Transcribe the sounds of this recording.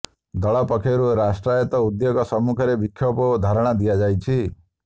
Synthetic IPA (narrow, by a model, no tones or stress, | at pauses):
d̪ɔɭɔpɔkʰɔɾuɾasʈɾajɔt̪ɔud̪joɡɔsɔmːukʰɔɾebikʰːjɔpɔd̪ʱaɾɔɽ̃ad̪ijad͡ʒajt͡ʃʰi